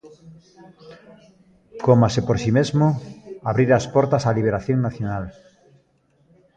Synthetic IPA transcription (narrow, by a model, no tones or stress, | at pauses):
komasepoɾsimezmoaβɾiɾaspɔɾt̪asaliβ̞eɾaθjõŋnaθjonal